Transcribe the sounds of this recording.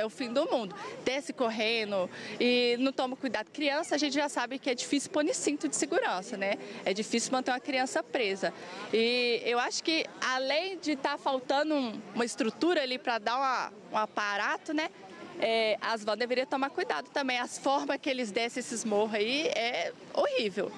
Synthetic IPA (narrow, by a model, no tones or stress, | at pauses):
ɛʊfĩd̪ʊmũd̪ʊd̪̥ɛsɪkoɦẽnʊɪnɐ̃w̃t̪õmɐkujd̪ad̪ʊkɾiɐ̃sɐaʒẽnt͡ʃɪʒasabɪkɪɛd͡ʒifisɪʊwpoɾnɪsĩt̪ʊd͡ʒɪ̥seɡuɾɐ̃sɐnɛɛd͡ʒifisɪwmɐ̃nt̪eũɐkɾiɐ̃sɐpɾezɐɪewaʃʊ̥kɪalẽj̃d͡ʒɪt̪aɾfawt̪ɐ̃d̪ʊũũmɐɪst̪ɾut̪uɾɐalipɾɐd̪aɾũmɐ | ũapaɾat̪ʊnɛ | ɛʔazvɐ̃d̪eveɾiɐt̪omaɾkujd̪ad̪ʊt̪ɐ̃mbẽj̃ɐsfɔɾmɐskɪelɪzd̪ɛsẽesɪzmoɦʊaiɛ | ohivew